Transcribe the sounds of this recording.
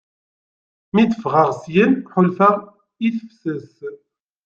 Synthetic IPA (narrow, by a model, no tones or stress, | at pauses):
miθəfʁəʁsjənħʊlfəʁ | iθfsəs